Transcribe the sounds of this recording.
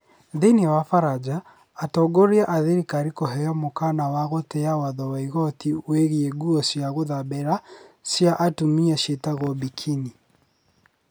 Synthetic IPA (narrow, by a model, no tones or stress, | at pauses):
ðenewafaɾad͡ʒaː | tɔɡoɾiaʔaðeɾikaɾikɔɦɛjɔmokanawaɣotɛawaðɔwaiɣɔtiweɣieɡuɔsjaɣoðabɛɾasjaʔatumiaʃetaɣɔbikʰini